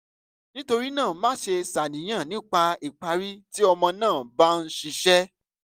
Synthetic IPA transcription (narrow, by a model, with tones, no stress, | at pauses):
nĩ˦to˧ɾi˦nãː˦˨˦mã˦ʃe˧sa˨nĩ˨j̃ã˦˨nĩ˨˦k͡pa˧i˨k͡pa˧ɾi˦ti˦ɔ˧mɔ̃˧nãː˦˨ba˦n̩˦ʃi˧ʃɛ˦